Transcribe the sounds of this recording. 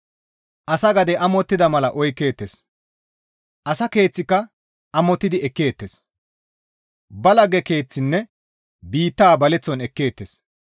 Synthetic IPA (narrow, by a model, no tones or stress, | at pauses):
ʔɐsɐɡɐd̪ɛʔɐmɔt̪ːɪd̪ɐmɐlɐʔɔjkːe̞ːt̪ːes | ʔɐsɐke̞ːt͡sːɪkːɐ | ʔɐmɔt̪ːɪd̪ɪɛkːe̞ːt̪ːes | bɐlɐɡɛke̞ːt͡sːɪnːɛ | biːt̪ːaːbɐlɛt͡sːɔnɛkːe̞ːt̪ːes